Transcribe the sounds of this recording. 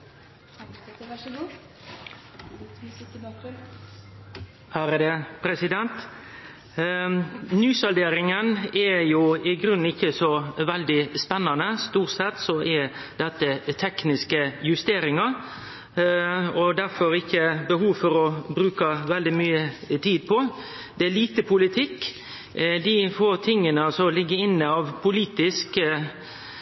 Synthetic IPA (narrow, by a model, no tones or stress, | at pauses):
hæɾəd̪ɛpʰɾɛsɪd̪ɛnt̪ | nyːsɑld̪eːɾɪŋənɛjʊɪɡɾʉnːɪçːəsɔʋɛld̪ɪspɛnːɑnəst̪uːʈsɛt̪sɔʔɛ | d̪ɛt̪ːət̪ʰɛknɪskəjʉst̪eːɾɪŋɑ | ɔd̪æɾfɔɾɪkːəbəɦuːʋfɔɾɔbɾʉːkɑʋɛld̪ɪmyːət̪ʰiːd̪̚pʰɔ | d̪̥ɛæliːt̪əpʰʊlɪt̪ʰɪkː | d̪ɪfoːɾt̪ʰɪŋːənəɑlsɔlɪɡːəɪnːəɑʋpʰʊliːt̪ɪsk